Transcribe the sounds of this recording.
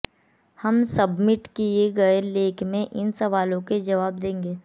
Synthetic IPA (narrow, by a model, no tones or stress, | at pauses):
hɐmsɐbmɪʈkieɡɐeleːkmẽʔɪnsɐʋaːlõked͡ʒɐʋaːb̚d̪ẽːŋɡeː